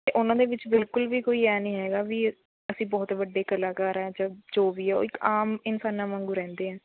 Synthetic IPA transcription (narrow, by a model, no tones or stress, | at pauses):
t̪eːʔʊnãːd̪eːʋɪt͡ʃbɪlkʊlʋiːkoːiːɛːnəĩːɦɛːɡaːʋiː | əsĩːbɔːt̪ʋəɖːeːkəlaːkaːɾɛːd͡ʒəd͡ʒoːʋiːɛːo̰ːɪkaːmɪnsaːnãːmãːŋɡuːɾɛ̃ːnd̪eːɦɛ̃ː